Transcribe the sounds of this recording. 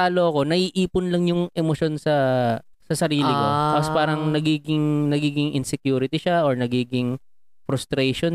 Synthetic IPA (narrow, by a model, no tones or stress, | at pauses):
aːlo̞ɐko̞nɐʔiːʔiːpʊnlɐŋjʊŋʔɛmoʃo̞nsɐ | sɐsɐɾiːlɪkot̪aːpospaːɾɐŋnɐɡiːɡɪŋnɐɡiːɡɪŋʔɪnsɛkjuːɾɪt̪ɪʃaʔoɹnɐɡiːɡɪŋ | fɾʊst̪ɾejʃon